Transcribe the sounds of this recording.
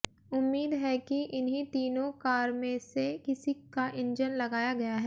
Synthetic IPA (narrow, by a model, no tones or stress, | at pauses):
ʊmːiːd̪ɦɛkiʔɪnɦĩt̪iːnõkaːɾmẽsekɪsikaʔɪ̃nd͡ʒənlɐɡaːjaɡɐjaɦɛː